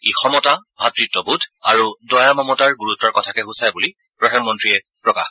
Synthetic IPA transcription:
exɔmɔtabʱatɹitːɔbudʰʱa̰ɹudɔjamɔmɔtaɹɡuɹutɔɹkɔtʰakɛɦusajbuli | pɹɔdʱanmɔntɹiɛ | pɹɔka̰x

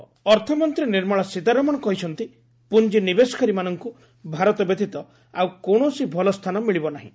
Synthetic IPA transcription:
ɔɾt̪ʰɔmɔnt̪ɾiniɾmɔɭɔsit̪aɾɔmɔɽ̃ɔkɔɦit͡ʃʰɔnt̪i | pund͡ʒinibesɔ̥kʰaɾimanɔŋku | bʱaɾɔt̪ɔbed̪it̪ɔ | awkoɽ̃osibʱɔlɔst̪ʰanɔmiɭibɔnaɦḭ̃

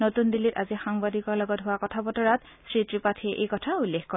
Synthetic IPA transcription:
notundilita̰zixaŋbadikɔɹlɔɡɔtɦʊwakɔtʰabɔtɔɹat | sɹitɹipatʰeʔejkɔtʰaulːexkɔ

